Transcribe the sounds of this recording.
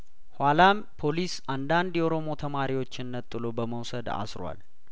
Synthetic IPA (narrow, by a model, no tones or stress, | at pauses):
hwʷalam | pʰo̞lisand̪and̪jɛʔoɾo̞mo̞t̪ʰəmaɾiwo̞t͡ʃːɪnːət̪ʼːɨlo̞bəməwsəd̪a̰sɾwa̰l